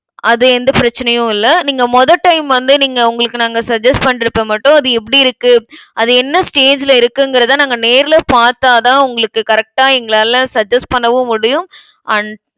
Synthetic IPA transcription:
ʔɐðɯɛnd̪ɐpɪɾɐt͡ʃːɪnɐjʊ̃ɪlːɐniːŋɡɐmɔðɐʈːɐɪmʋɐnd̪ɯniːŋɡɐʊŋɡɐɭɯkːɯnaːŋɡɐsɐd͡ʒɐsʈ̚pɐɳːɪɾɯpːɐmɐʈːʊ̃ɐðɯɛpːɐɽiɪɾɯkːɯʔɐðɯɛnːɐsʈeːd͡ʒɪlɐɪɾɯkːɯŋɡɪɾɐðãːnaːŋɡɐneːɾɪlɐpaːɾt̪aːðãːʊŋɡɐɭɯkːɯkɐɾɛk̚ʈaːɛŋɡɐɭaːllɐsɐd͡ʒɐsʈ̚pɐɳːɐʋɯ̃mʊɽɪjɯm | ʔɐɳ

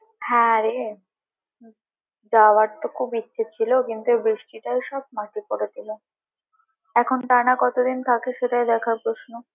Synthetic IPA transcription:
hɛ̃aɾe | d͡ʑawaɾt̪okʰubitːɕʰet͡ɕʰilokint̪uebɾiʃʈiʈaejʃɔb̚maʈikoɾet̪ʰilo | ɛkʰonʈanakɔt̪od̪int̪ʰakeʃeʈajd̪ɛkʰaɾpɾoʃno

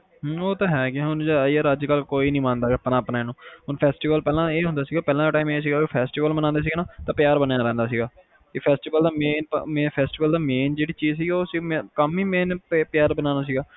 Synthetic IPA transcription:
ɦoːt̪ãːɦɛːkɪʊnd͡ʒaiəɾəd͡ʒkəlkoːiːnĩːmãːnd̪aːpnaːpnaːeːnũːɦʊnpʰɛːsʈiːʋəlpɛːlãːeːɦʊ̃nd̪aːsiːɡaːpɛːlãːaʈaːimeːs̬iːɡaːepʰɛːsʈiːʋəlmənãːnd̪eːs̬iːɡːnaːt̪ãːpɪjaːɾbənjaːɾɛ̃ːnd̪aːs̬iːɡaː | kɪpʰɛːsʈiːʋəld̪aːmeːnpmeːpʰɛːsʈiːʋəld̪aːmeːnd͡ʒeːɽiːt͡ʃiːzsiːoːsiːmːkəmiːmeːnpːpɪjaːɾbənãːnaːs̬iːɡaː

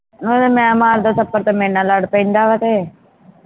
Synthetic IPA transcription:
nõemɛ̃ːəmaːɾd̪oːsəpːəɾt̪emẽːnaːləɽpəĩnd̪aːʋət̪eː

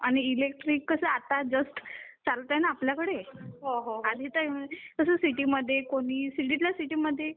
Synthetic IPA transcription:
aɽ̃iːlek̚ʈɾikːəsəat̪ad͡zəst̪t͡salt̪ajnaːpljakəɽeɦoɦoɦad̪ʱit̪akəsəsiʈiːməd̪ʱːjekoɽ̃iːsiʈ̬it̪ljasiʈiːməd̪ʱːje

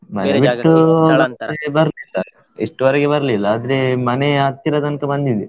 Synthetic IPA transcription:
mɐneʋiʈːubɐnd̪ɐɾebɐɾlila | ḛʂʈuʋɐɾɛɡebɐɾɐlilːɐaːd̪ɐɾe̞mɐneat̪ːiɾɐd̪ɐnkɐbɐnd̪id̪e

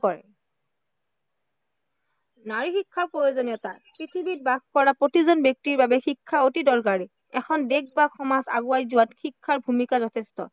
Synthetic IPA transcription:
kɔɹɛ̰ | naɹixikʰːaɹpɹojozonijɔtapɹitʰibit̚baɡkɔɹapɹotizɔnbjɔk̚tiɹbabɛxikʰːaotidɔɹkaɹi | ɛkʰɔndeɡ̚baɡxɔmaza̰ɡuajzuwatxikʰːaɹbʱumikazɔtʰestɔ̰

